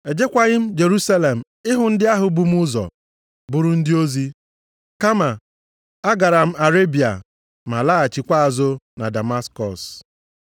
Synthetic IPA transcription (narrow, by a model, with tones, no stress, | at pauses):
e˨d͡ʒe˦kʷa˨ɣɪ˦m̩˦d͡ʒe˨ɾu˦sa˦le˨m̩˨ | ɪ˦ɦʊ˨n̩˦dɪ˦a˦ɦʊ˨bu˨m̩˦ʊ˦zɔ̰˨ | bʊ˨ɾʊ˦n̩˦dɪ˦o˦zi˦ | ka˦ma˨ | a˦ɡa˨ɾa˨m̩˦a˨ɾe˦bi˨a̰˨ | ma˨la˦a˨t͡ʃi˨kʷa˦a˨zo˦na˨da˨ma˦skɔ˨s